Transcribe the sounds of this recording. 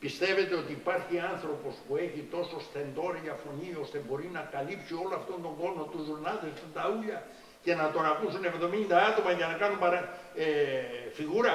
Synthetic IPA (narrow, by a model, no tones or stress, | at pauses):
pist̪eβet̪eot̪iipaɾxianθɾopospoexit̪ososθend̪oɾeafoniost̪epoɾinakalipsjuolaft̪ond̪oŋɡonot̪uzʝuɾnalt̪est̪unt̪auʎa | kenat̪oɾakusunekoðomĩnd̪aat̪omakenakanumpaɾa | efiɣuɾa